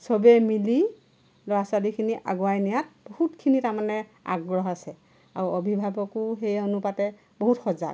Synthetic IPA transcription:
sɔbɛmili | lɔɹasalikʰiniʔa̰ɡɔajnijat̚b̥ɔhutkʰinitaɹmanɛa̰ɡɹɔɦasɛ | aɹuɔbʱibʱabɔkuɦejonupatɛ | bɔɦutxɔza̰

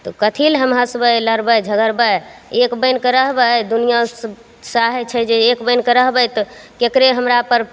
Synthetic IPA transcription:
t̪ɔkət̪ʰilɦəmɦasəbəjləɾbəjd͡ʒʱəɡəɾbəjekbəjnkəɾəɦbəd̪unijas | saɦɛt͡ʃʰɛd͡ʒeekbəjnkəɾəɦbəjt̪ɔkekɾeɦəmɾapəɾ

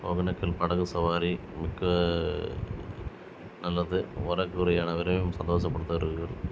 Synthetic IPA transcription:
o̰ɡɐnɐkːɐlpɐɽɐɣɯsɐʋaːɾi | mɪkːɐ | nɐlːɐðɯʋɐɾɐkːɯɾɐjaːnɐʋɪɾɐmemsɐnd̪oːsɐpːɐɽɯt̪ːɐʋɐɾɯkɯɡɐɭ

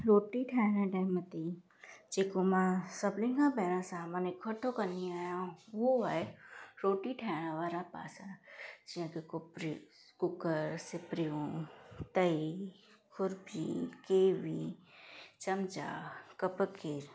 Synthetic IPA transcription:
ɾoːʈiʈʰɛːɽãɖəmət̪i | d͡ʒeːkomãsəblɪ̃ŋɡãbɛːɾ̃ãsãɦmãnekʰəʈʰokəniaːjãʋoaeɾoːʈiʈʰɛːɽ̃ãʋaːɾapa̰ːsad͡ʒɪɦãkeɾ | kʊkəɾsɪpɾiõt̪əi | kʰʊɾpikeːʋi | t͡ʃɐmt͡ʃa̰kəpəkɪɾ

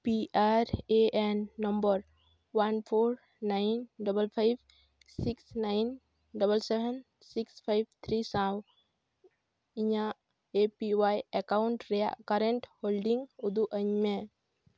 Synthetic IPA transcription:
piʔaɾeenːɔmbəɾ | wanpʰoɾ | najnɖɔbəlpʰajb | siksnajn | ɖɔbəlsɛbɛn | sikspʰajb̚t̪ʰɾisãw | iɲa | epiwajekawuɳʈɾɛja̰ʔkaɾɛɳʈholɖiŋud̪uʔəɲme

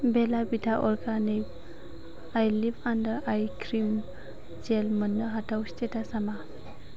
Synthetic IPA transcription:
belabitʰaʔɔɾɡanip̚ | ajlipandəɾajkʰɾim | d͡ʒelmənːɯɦatʰawstetasama

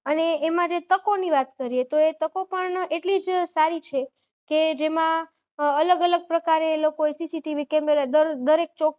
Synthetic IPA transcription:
əneːmãd͡ʒet̪əkoniʋat̪kəɾiet̪oet̪əkopəɳeʈlid͡ʒsaɾit͡ʃʰe | ked͡ʒemã | ələɡələɡ̚pɾəkaɾelokoesisiʈiʋikemelad̪əɾd̪əɾek̚t͡ʃok

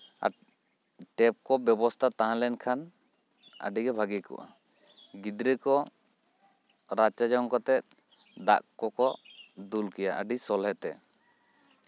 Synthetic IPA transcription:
a̰ | ʈɛp̚kɔbjɔbɔst̪ʰat̪aɦãlɛnkʰan | ə̰ɖiɡɛbʱaɡikɔ̰ʔa̰ | ɡid̪ɾɛkɔ | ɾat͡ʃad͡ʒaŋkɔt̪ɛt̪̚ | ɖa̰kkɔkɔd̪ulkɛjaʔəɖisɔlɦɛt̪ɛ̰

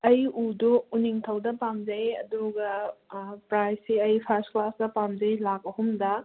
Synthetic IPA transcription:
ɐjuduuniŋtʰɐwdɐpamd͡ʒɐjɐ̰duɡɐ | pɾajsiɐjpʰɐɾsklasdɐpamd͡ʒɐjlak̚ɐhumdɐ

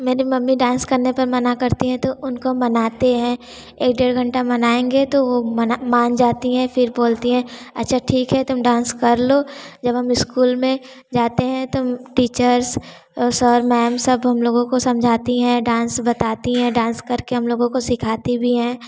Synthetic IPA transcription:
meːɾemɐmːiɖãːnskɐɾnepɐɾmɐnakɐɾt̪iɦɛ̃t̪oʔʊnkomɐnaːt̪eɦɛ̃ː | eːkɖeːɾɡʱɐ̃ɳʈamɐnaːẽːŋɡet̪oʋomɐnamaːnd͡ʒaːt̪iɦɛ̃fɪɾboːlt̪iɦɛ̃ːɐ̰tːʃʰaʈʰiːkɦɛt̪ʊmɖãːnskɐɾloːd͡ʒɐbɦɐmɪskuːlmẽ | d͡ʒaːt̪eɦɛ̃t̪omʈiːt͡ʃəɾs | sɔːɾmɛːmsɐbɦɐmloːɡõkosɐ̃md͡ʒʱaːt̪iɦɛ̃ɖãːnsbɐt̪aːt̪iɦɛ̃ɖãːnskɐɾkeɦɐmloːɡõkosɪkʰaːt̪ibʱiɦɛ̃ː

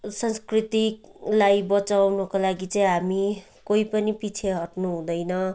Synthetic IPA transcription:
sʌnskrit̪iklajbʌt͡sawnukolaɡit͡saĩɦami | koipʌnipit͡sʰeɦʌʈnuɦũd̪ʌjnʌ

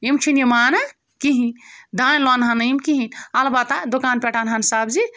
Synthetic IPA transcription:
imt͡ʃʰinjɐmaːnɐ | kiɦind̪anlwanɦanɐimkiɦinalbat̪ad̪okaːnpʲɛʈanɦansabd͡ʒi

